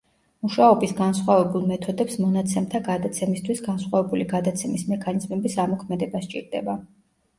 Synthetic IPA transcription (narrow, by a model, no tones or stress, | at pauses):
muʃaɔbisɡansχwavɛbulˠmɛt̪ʰɔd̪ɛpsmɔnat̪sʰɛmt̪ʰaɡad̪at̪sʰɛmist̪ʰwisɡansχwavɛbuliɡad̪at̪sʰɛmismɛkʰanizmɛbisamɔkʰmɛd̪ɛbast͡ʃʼḭɾd̪ɛ̰ba